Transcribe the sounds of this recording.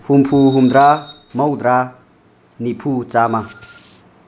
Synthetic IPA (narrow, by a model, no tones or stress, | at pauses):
humpʰuɦumd̪ɾa | mɐwd̪ɾa | nipʰut͡sama